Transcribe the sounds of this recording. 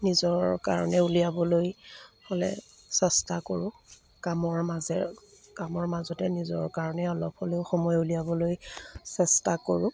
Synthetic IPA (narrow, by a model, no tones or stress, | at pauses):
nizɔɹka̰ɹɔ̰nɛulijabɔlojholɛ̰ | sɛstakoɹʊ̃ | kamɔɹmazɛ | kamɔɹmazɔtɛnizɔ̰ɹkaɹɔnɛɔlɔp̚ʰholeʊxɔmɔjuliabɔlojsɛstakoɹʊ